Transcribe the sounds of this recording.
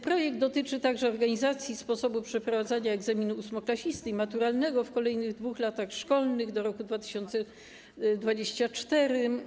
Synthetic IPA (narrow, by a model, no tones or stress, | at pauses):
pɾɔjɛɡ̚d̪ɔt̪ɘt͡ʂɘt̪aɡʐɛɔɾɡaɲizat̪sʲjispɔsɔbupʂɛpɾɔvad̪zaɲaɛɡzamʲinuːsmɔklaɕist̪ɘimat̪uɾalnɛɡɔfkɔlɛjnɘɣd̪vuxlat̪axʂkɔlnɘɣd̪ɔɾɔkud̪vat̪ɘ̥ɕɔnt̪sɛ | d̪vad͡ʑeɕt͡ɕat͡ʂt̪ɛɾɘ